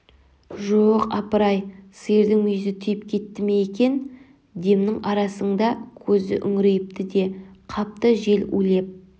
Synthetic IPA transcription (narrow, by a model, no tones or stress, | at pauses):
ʒoqɑ̰pəɾɑjseɾd̪ɪŋmʏjɪzɪt̪ʰʏjɪpkʲʰe̞t̪ːɪme̞ekʲe̞n | d̪e̞mnɪŋʔɑɾɑsəɴd̪ɑkʲʰɵzɪ̰ʔʏŋɾejɪp̚t̪ɪd̪e̞qʰɑp̚t̪əʒe̞lɵ̰le̞p̚